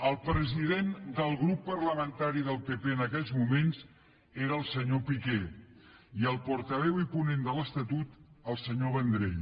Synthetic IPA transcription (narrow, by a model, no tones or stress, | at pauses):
əlˠpɾəziðend̪əlˠɣɾupːərləmənt̪aɾiðəlˠpepeənəkɛʎzmumenz | eɾəːlˠsəɲopikɛ | iəlˠpɔɾt̪əβ̞ɛwipunend̪ələst̪ət̪ut̪əlˠsəɲoβənd̪ɾeʎ